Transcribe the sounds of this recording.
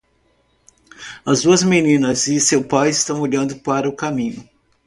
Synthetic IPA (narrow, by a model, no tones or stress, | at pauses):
ɐzd̪uɐzmenĩnɐzɪsewpajɪst̪ɐ̃w̃oʎɐ̃nd̪ʊpaɾɐʊkamĩɲʊ